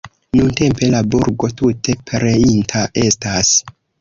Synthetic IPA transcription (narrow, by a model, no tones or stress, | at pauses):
nunte̞mpe̞labuɾɡo̞tutʰe̞pɾeintʰaʔe̞stas